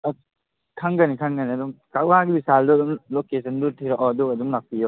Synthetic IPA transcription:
kʰaŋɡanikʰaŋɡaniɐdumkawaɡibisaldudumlokesʰɐndutʰiɾɔʔɔdukɐdumlak̚pijɔ

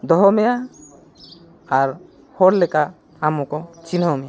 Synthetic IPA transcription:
d̪ɔɦɔmeja | aɾ | hɔɾlekaː | mokɔt͡ʃinɔmeja

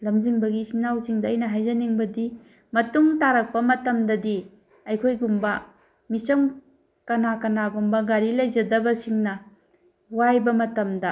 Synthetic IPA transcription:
lɐmd͡ʒiŋbɐɡisinawsiŋdɐːjnɐɦajzɐniŋbɐdi | mɐtuŋtaɾɐk̚pɐmɐtɐmdɐdi | ɐjkʰojɡumbɐ | misɐm | kɐnakɐnaɡumbɐɡaɾilɐjzɐdɐbɐsiŋnɐ | wajbɐmɐtɐmdɐ

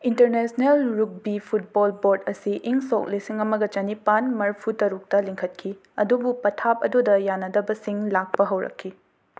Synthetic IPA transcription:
inteɾnesnelɾuk̚bipʰut̚bolboɾdɐsiʔiŋsok̚lisiŋɐmɐɡɐt͡ʃɐnipanmɐɾpʰutɐɾuk̚tɐliŋkʰɐt̚kʰi | ɐ̰dubupɐtʰap̚ɐdudɐjanɐdɐbɐsiŋlak̚pɐɦɐwɾɐ̰kʰːi

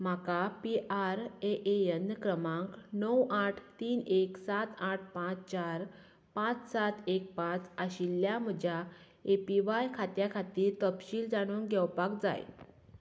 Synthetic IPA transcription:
m̤akapiʔaɾeʔeənəkɾəmãŋknəwaʈʰt̪iːneksat̪aʈ̚ʰpãt͡st͡ɕaɾ | pãt͡ssat̪ek̚pãt͡səɕilːjam̤əd͡ʑʱja | epiʋajkʰat̪jakʰat̪iːɾt̪əpɕiːld͡zaɽ̃uːŋɡʱɛwpak̚d͡za̰j

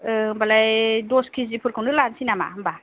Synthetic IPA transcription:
mbalajdɔskʰizipʰɯɾkʰawnɯlansinama̰mba

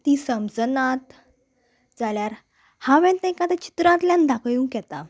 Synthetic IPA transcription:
t̪isəmd͡zənat̪ | d͡zaljaɾ | hãʋɛ̃nt̪ɛ̃kad̪ãt͡ɕi̥t̪ɾãt̪ljãnd̪akʰjũːkɛt̪a̰

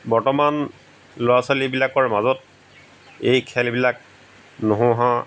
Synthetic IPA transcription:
bɔɹtɔman | loasalibilakɔɹmazɔt̚ | ejkʰɛlbilak̚ | noɦʊ̃ɦã

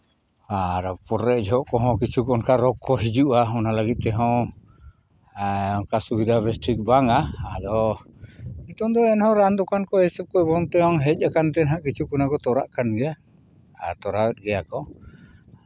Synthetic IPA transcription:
ad̪ɔpɔɾɛd͡ʒɔɦɔʔkɔɦɔ̃kit͡ʃukɔnkaɾɔkːɔɦid͡ʒuʔaɔnalaɡit̪̚t̪ɛɦɔ̃ | ɔkasuɡid̪abɛsʈɾik̚baŋaad̪ɔ | it̪ɔd̪ɔɛnhɔ̃ɾand̪ɔkankɔɛsɛp̚kɔɛbɔŋt̪ɛɦɔŋɦɛc̚ˀakant̪ɛnɦaʔkit͡ʃukɔnakɔt̪ɔɾa̰ʔkanɡɛjaː | t̪ɔɾawɛt̪̚ɡɛjakɔ

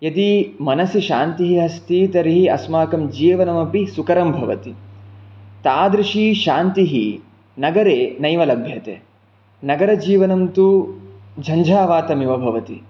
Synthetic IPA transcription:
jɐt̪imɐnɐsiʃaːnt̪iɦiɦɐst̪iːt̪ɐɾiɦiɐsmaːkɐmd͡ʒiːʋɐnɐmɐpisukɐɾɐmbʱɐʋɐt̪i | t̪aːd̪ɾiʂiːʃaːnt̪iɦi | nɐɡɐɾeːnɐjʋɐlɐbʱjɐt̪ḛː | nɐɡɐɾɐd͡ʒiːʋɐnɐmt̪u | d͡ʒʱɐɲd͡ʒʱaːʋaːt̪ɐmjiʋɐbʱɐʋɐt̪ḭ

